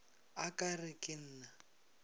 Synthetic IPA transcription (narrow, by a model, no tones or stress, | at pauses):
akʼarɪkʼɪn̩ːna